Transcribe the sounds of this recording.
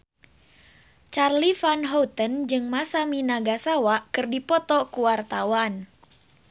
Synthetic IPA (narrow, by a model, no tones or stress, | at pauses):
t͡ʃarlifanɦɔwt̪ənd͡ʒɨŋmasaminaɡasawaʔkɨrdipɔt̪ɔkuwart̪awan